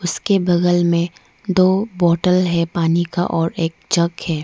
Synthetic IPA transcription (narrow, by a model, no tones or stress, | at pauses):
ʊskebɐɡəlmẽ | d̪oːbɔːʈəlɦɛpaːnika̰ʔɔːɾeːk̚d͡ʒɐɡhɛː